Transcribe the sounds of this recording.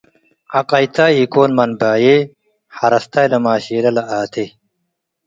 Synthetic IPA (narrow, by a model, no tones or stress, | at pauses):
ɐqɐjt̪ʰaːikoːnmɐnbaːje | hɐɾɐst̪ʰajlɐmaːɕiːlɐlɐʔaːt̪ʰe